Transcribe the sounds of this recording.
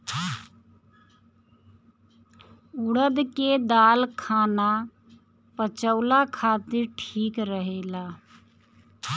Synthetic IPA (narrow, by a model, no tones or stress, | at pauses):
ʊɽəd̪ked̪aːlkʰaːna | pət͡ʃəʊlakʰat̪ɪɾʈʰiːkɾəɦelaː